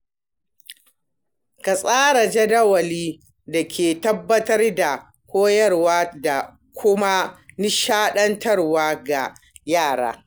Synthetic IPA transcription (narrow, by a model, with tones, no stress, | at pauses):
ka˨sʼaː˦ɾa˨d͡ʒɐ˦dɐ˦wɐ˨liː˦ | da˨kʲʰeː˨tɐ˦bːɐ˦tɐ˦rda˨ | kʷoː˦jɐ˦rwaː˦da˨ | kʷʰʊ˦ma˦ni˦ʃaː˦ɗɐ˦ntʰɐ˦rwaː˦ɡa˨ | jaː˦˨ɽa̰ː˦